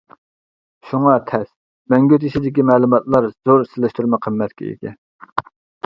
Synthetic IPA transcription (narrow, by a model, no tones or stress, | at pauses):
ʃuŋɑt̪ʰɛs | mɛŋɡʲøt̪iʃid̪ɪkʲimɛːlˠumɑt̪lˠɑɾz̥oɾsɪlɪʃt̪uɾmɛqʰəmːɛt̪kʲʰɛ̰ḭk̪ʲʰɛ